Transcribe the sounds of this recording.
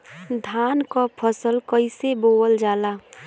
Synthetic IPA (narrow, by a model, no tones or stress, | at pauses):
d̪ʱaːnkapʰəsəlkəiseboːəld͡ʒaːlaː